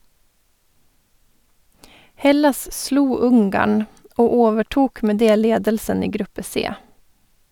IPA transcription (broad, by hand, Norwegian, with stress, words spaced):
ˈhɛlɑs ˈsluː ˈʊŋɡɑɳ ˈoː ˈoːʋəˌʈuːk ˈmeː ˈdeː ˈleːdəlsən ˈiː ˈɡɾʉpə ˈseː